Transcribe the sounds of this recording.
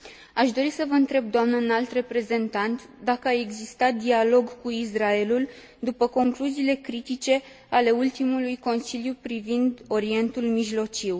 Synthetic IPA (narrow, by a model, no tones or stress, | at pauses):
aʃd̪o̞ɾisəvəɨnt̪ɾe̞b̚d̪oamnəɨnalt̪re̞pɾe̞ze̞nt̪ant̪d̪akəae̞ɡzist̪at̪̚d̪ialo̞ɡkuisrae̞lul | d̪upəko̞ŋkluziːle̞kɾit̪it͡ʃe̞ | ale̞ult̪imulujko̞nsiljupɾivind̪o̞ɾie̞nt̪ulmiʒlo̞t͡ʃiw